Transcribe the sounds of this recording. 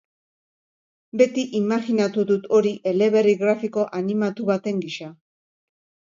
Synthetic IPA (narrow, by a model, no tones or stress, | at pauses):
be̞t̪iʔimaɣinat̪uðut̪o̞ɾiʔe̞le̞βe̞riɣɾafiko̞ʔanimat̪uβat̪e̞ŋɡiʃa